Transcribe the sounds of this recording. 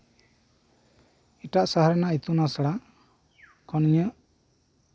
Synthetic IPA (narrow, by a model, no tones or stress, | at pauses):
iʈaʔsaɦaɾɛnait̪unasaɽa | kɔnɲə